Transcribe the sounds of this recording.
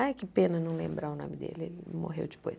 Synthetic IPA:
ajkɪpẽnɐnɐ̃w̃lḛ̃mbɾaʊnõ̰mɪd̪ḛlɪḛlɪmo̰ɦḛwd͡ʒɪpojs

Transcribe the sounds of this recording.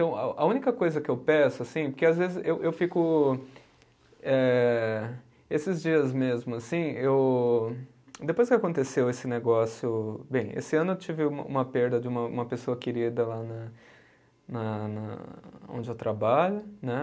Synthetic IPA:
t̪ɐ̃w̃a̰ʔɐũnikɐkojzɐkɪewpɛsʊasĩpoɾkeazvezɪzewʔewfikʊ | ɛ | esɪzd͡ʒiɐzmezmʊasĩew | d̪epojskɪakõt̪esewesɪneɡɔsjʊbẽj̃ḛsɪɐ̃nʊewt͡ʃivɪũmɐ̰ṵ̃mɐpeɾd̪ɐd͡ʒɪũmɐũmɐpesoɐkeɾid̪ɐlanɐ | nɐnɐ̰õ̰nd͡ʒɪewt̪ɾabaʎʊnɛ

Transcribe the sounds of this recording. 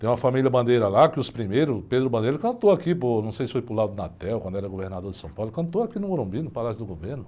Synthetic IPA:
t̪ẽj̃ũmɐfamiliɐbɐ̃nd̪ejɾɐlakɪʊspɾimejɾʊped̪ɾʊbɐ̃nd̪eɾkɐ̃nt̪oakiponɐ̃w̃sejsɪ̥fojpɾʊlad̪ʊnat̪ɛwkwɐ̃nd̪ɛɾɐɡoveɾnad̪oɾd͡ʒ̪ɪsɐ̃w̃pawlʊkɐ̃nt̪oakinʊ̃oɾõbĩnʊpalasjʊd̪ʊɡoveɾnʊ

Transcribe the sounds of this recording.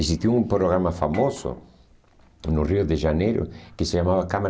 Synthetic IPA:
esist̪uuumpɾoɣɾamafamosʊ̰ | nʊriʊðeʃanejɾʊ̰kɪseʎamaβakama

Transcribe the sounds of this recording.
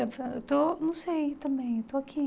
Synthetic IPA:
ɐ̃t̪ɐ̃et̪onɐ̃w̃sejt̪ɐ̃bẽj̃et̪oakʰi

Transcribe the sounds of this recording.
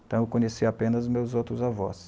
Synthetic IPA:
t̪ɐ̃w̃ewkõɲesiapẽnɐzmewzowt̪ɾʊzavɔ̰s

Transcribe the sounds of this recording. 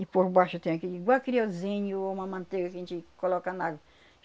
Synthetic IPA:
ipoɾbaʃʊt̪ẽj̃ɐkiiɡwawkɾiaw̪ezẽɲʊũmɐmɐ̃nt̪eɡɐkɐẽnt͡ʃɪkolɔkanaɡɐ

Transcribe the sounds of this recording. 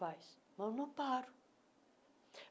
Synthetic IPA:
ajs | mɐ̃wnɐ̃paɾu̥

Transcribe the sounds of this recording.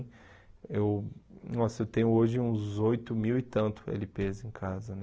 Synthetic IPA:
ewnɔsɐewt̪ẽɲʊoʒɪũzojt̪ʊmiwɪt̪ɐ̃nt̪ʊ̥ḛlɪpezẽj̃kʰazɐnɛ

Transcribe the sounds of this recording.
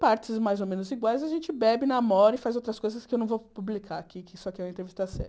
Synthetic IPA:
paɾt͡ʃɪzmajzomẽnʊziɡwajzaʒẽnt͡ʃɪbɛbɪnamɔɾɐifajzowt̪ɾɐskojzɐskɪewnɐ̃w̃vopublikʰaɾakikɪsɔakɪɛũmɐẽt̪ɾevist̪ɐsɛ̰ɾ

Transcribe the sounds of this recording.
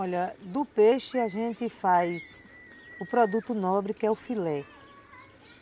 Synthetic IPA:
ɔʎɐd̪ʊpeʃɪaʒẽnt̪ɪfajs | ʊpɾɔd̪ut̪ʊnɔbɾɪkɪɛʊfilɛ

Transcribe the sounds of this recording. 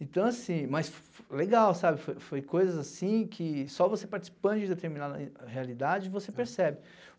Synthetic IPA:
ẽt̪ɐ̃w̃asĩmɐs | leɡawsabɪfojfojkojzɐzasĩkʰɪsɔvosepaɾt͡ʃi̥si̥pɐ̃d̪ʊd͡ʒɪ̃d̪et̪eɾminad̪ɐhealid̪ad͡ʒɪvosepeɾsɛbɪ

